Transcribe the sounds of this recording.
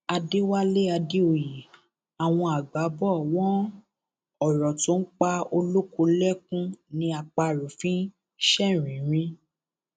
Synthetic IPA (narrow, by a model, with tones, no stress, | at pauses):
a˧de˦wa˦le˦a˧de˦o˨ji˨ | a˨w̃ɔ̃˧a˨ɡ͡ba˨˦bɔ˦˨wɔ̃˦ | ɔ˨ɾɔ˨tũ˨˦k͡pa˧o˧lo˦ku˧lɛ˦kũ˦nĩ˧a˨k͡pa˧ɾu˨fĩ˦ | ʃɛ˦˨ɾ̃ĩ˨˦ɾ̃ĩ˧˦